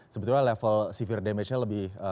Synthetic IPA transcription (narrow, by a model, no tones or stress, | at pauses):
səbət̪urɲalɛfəlsifirdɛmet͡ʃɲaləbɪhə